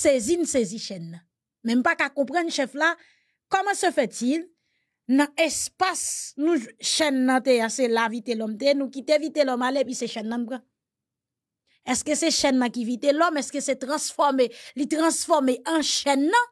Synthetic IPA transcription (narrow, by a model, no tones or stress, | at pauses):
sezinuseziʃɛnːɐ̃ | mɛ̃m̩pakakɔ̃pʁɐ̃nʃɛfla | kɔm̃səfɛtil | nɐ̃ɛspasnũʃɛnːɐ̃t̪ejaselavit̪elɔmt̪eenũkit̪evit̪elɔmaleepiseʃɛnːɐ̃m̩pʁã | ɛskøseʃɛnːɐ̃kivit̪elɔmɛskøset̪ʁɐ̃sfɔʁmelit̪ʁɐ̃sfɔʁmeʔɐ̃ʃɛnːɐ̃